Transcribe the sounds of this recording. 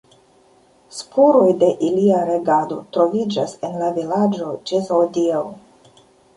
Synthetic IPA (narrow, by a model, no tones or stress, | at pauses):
spʰoɾo̞jde̞ʔiliaɾe̞ɡado̞tɾo̞vid͡ʒase̞nlavilad͡ʒo̞d͡ʒezowdia